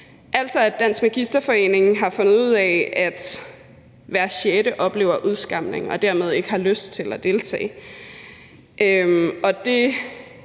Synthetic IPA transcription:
ʔæl̰sɒ̽æd̥æn̰sɡ̥mæɡ̥isd̥ɐfɒ̽e̝̰ːne̝ŋ̩ɦɑ̈fɔ̽nð̩ˠuð̞̰ˠɛæd̥ | ʋæɐ̰ɕeɾ̥əʔɒ̽b̥le̝̰ːʊɐʔuð̞ˠsɡ̥ɑ̈m̰ne̝ŋɒ̽d̥æɐmeð̞ˠe̝ɡ̥əhɑ̈løsd̥t͡sʰe̝læd̥e̝ːlt͡sʰɛ̰ː | ʔømɒ̽d̥e̝

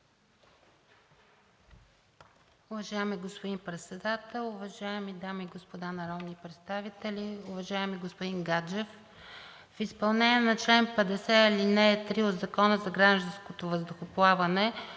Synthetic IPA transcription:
ʊvɐʒaɛmiɡospod̪inpɾɛt̪sɛd̪at̪ɛlˠʊvɐʒaɛmid̪amiɡospod̪anɐɾɔd̪nipɾɛt̪st̪avit̪ɛlʲiuvɐʒaɛmiɡospod̪iŋɡad͡ʒɛf | fispɐlˠnɛniɛnɐt͡ʃlɛnpɛd̪ɛsɛilinɛːt̪ɾiod̪zɐkɔnəzɐɡɾaʒd̪ɐ̃nskot̪ovəzd̪oxoplˠavɐnɛ

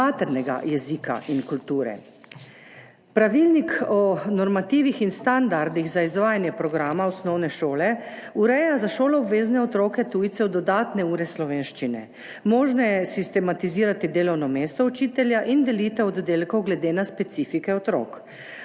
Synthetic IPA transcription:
at̪ɛɾnɛɡa̰jɛzika̰ʔinkult̪uːɾɛ̰ | pɾaʋilnikɔnɔɾmat̪iːʋixinst̪and̪aɾd̪iɣzaizʋaːjanjɛpɾɔɡɾaːmaɔsnɔwnɛʃoːlɛuɾɛjazaʃoːlɔɔbʋeːznɛɔt̪ɾoːkɛt̪uːjt̪sɛwd̪ɔd̪aːt̪nɛuːɾɛslɔʋeːnʃt͡ʃinɛ̰ | mɔːʒnɔjɛsist̪ɛmat̪iziːɾat̪id̪eːlɔwnɔmeːst̪ɔut͡ʃiːt̪ɛljaʔind̪ɛliːt̪ɛɔd̪d̪eːlkɔwɡlɛd̪eːnaspɛt̪siːfikɛɔt̪ɾɔ̰ːk

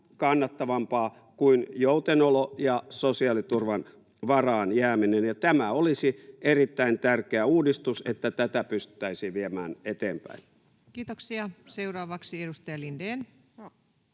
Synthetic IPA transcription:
kɑnːɑt̪ːɑʋɑmpɑː | kuinjout̪enolojɑsosiɑlit̪urʋɑn | ʋɑrɑːnjæːminenjɑt̪æmæolisierit̪ːæint̪ærkeæuːdist̪uset̪ːæt̪æt̪æpyst̪y̥t̪ːˑæisiʋiemæːnet̪eːmpæ̰in | kiːt̪oksiɑseurɑːʋɑksiedust̪ɑjɑlindeːn

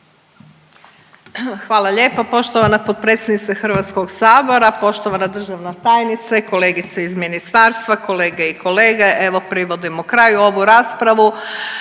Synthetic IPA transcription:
xʋaːlˠaʎe̞ːpapo̞ʃt̪oʋanapod̪̚pɾet̪sʲed̪nit̪saxr̩ʋat̪sko̞ɡsaːbo̞ɾapo̞ʃt̪oʋanad̪r̩ʒaʋnat̪aːjnit̪saiko̞le̞ːɡit̪seizminist̪aːɾst̪ʋako̞le̞ːɡeiko̞leːɡeʔe̞ʋo̞pɾiʋo̞d̪imoukɾajuo̞ʋuɾaːspɾaʋu

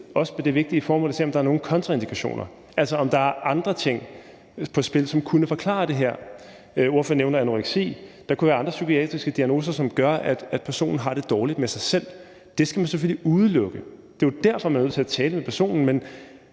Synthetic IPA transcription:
ɒ̽səmed̥e̝ʋe̝ɡ̥̚d̥iəfɒːmɔ̽lse̝̰ɒ̽md̥ɑ̈æɐno̝ːn̩kʰɒ̽nt͡sʰʁɑe̝nd̥ikʰæɕo̝̰ːnʔɐ | ʔælsɒɒ̽md̥ɑ̈æɐʔɑ̈nd̥ʁɐt͡sʰe̝ŋ̰ | pʰɒ̽sb̥e̝lsɒ̽mkʰunəfɒ̽kʰlɑ̰̈d̥e̝ɦæɐ̰ | o̝ɐ̰føɐ̰neʊnɐænoʁeɡ̥sḭːd̥ɑ̈kʰuʋæːɐɑ̈nd̥ʁɐsykʰiɛ̰ːd̥ʁisɡ̥əd̥iæɡ̥no̝ːsɐsɒ̽mɡ̥ɶɐæd̥æd̥pʰæɐso̝̰ːnn̩ɦɑ̈ɾ̥e̝d̥ɒːlid̥mesɑ̈ɪsel̰ | d̥e̝sɡ̥æmænseføl̰iʔuð̞ˠəlɔ̽ɡ̥əd̥e̝d̥æɐ̰fɒmænð̰ˠt͡sʰe̝æt͡sʰɛːləmepʰæɐso̰ːnn̩men

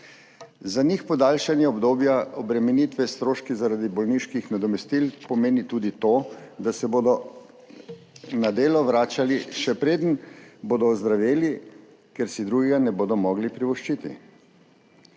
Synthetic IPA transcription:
zanixpɔd̪aːlʃanjɛɔbd̪oːbjaɔbɾɛmɛniːt̪ʋɛst̪ɾoːʃkizaɾad̪ibɔlniʃkixnad̪ɔmɛst̪ilpɔmeːnit̪uːd̪it̪oːd̪asɛboːd̪ɔ | nad̪eːlɔʋɾaːt͡ʃaliʃɛpɾeːd̪ənboːd̪ɔːzd̪ɾaʋeːli | kɛɾsid̪ɾuːɡɛɡanɛboːd̪ɔmɔɡlipɾiʋɔʃt͡ʃiːt̪ḭ

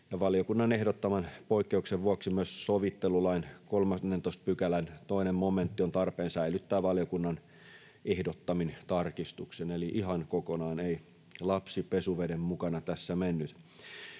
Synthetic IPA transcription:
jɑʋɑljokunːɑnehdot̪ːɑmɑnpoikːeukseʋʋuoksimyøssoʋit̪ːelulɑinkolmɑnːent̪oˑist̪̚pykælænt̪oinemmoment̪ːiont̪ɑrpeːnsæilyt̪ːæːʋɑljokunːɑn | ehdot̪ːɑmint̪ɑrkist̪ukseneliʔiɦɑnkokonɑːnei | lɑpsipesuʋedemmukɑnɑt̪æsːæmenːyt̪

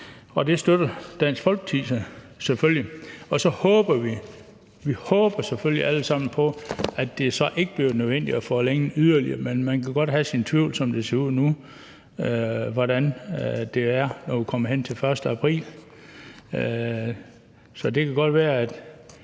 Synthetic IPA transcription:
ɒ̽d̥e̝sd̥ødɐd̥æn̰sɡ̥fɒ̽lɡ̥ət͡sʰisə | seføljiɒ̽sɒ̽hɔːb̥ɐʋi | ʋihɔːb̥ɐseføljiʔæləsɑ̈m̰n̩pʰɒ̽æd̥ːe̝sɒ̽ʔe̝ɡ̥əb̥le̝ʊnøðˠʋen̰d̥iæfɒleŋn̩yðˠɐliɐmenmænkʰæɡ̥ɒ̽d̥ɦæsint͡sʰʋiʊ̰lsɒ̽md̥e̝se̝ɐuð̰ˠnu | ʋɒɾænd̥e̝æɐnɒʋukʰɒ̽m̰ɐɦen̰t͡sʰe̝lfɶɐsd̥əæpʰʁḭːl | sɒ̽d̥e̝kʰæɡ̥ɒ̽d̥ʋæːɐæd̥

